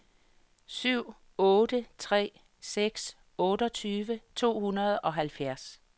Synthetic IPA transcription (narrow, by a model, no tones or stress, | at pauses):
syʊ̰ | ɔ̽ːd̥ət͡sʰʁɛ̰ː | seɡ̥s | ɔ̽ːɾ̥əɒ̽t͡sʰyːʋət͡sʰo̝̰ːhunɐð̞̩ˠɒ̽ɦælfjæɐ̰s